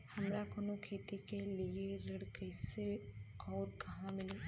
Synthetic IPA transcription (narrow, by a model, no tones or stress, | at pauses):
hɐmɾakoːnokʰeːt̪ikelieɾɐɽkɛːseɔːɾkɐɦãmɪleː